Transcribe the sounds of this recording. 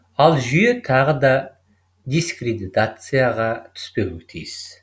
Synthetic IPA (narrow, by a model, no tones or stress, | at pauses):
ɑlˠʒʏje̞t̪ʰɑʁəd̪ɑ | d̪iskrʲed̪it̪at̪sɨjaʁɑt̪ʰʏ̥spe̞wɪt̪ʰḭjɪs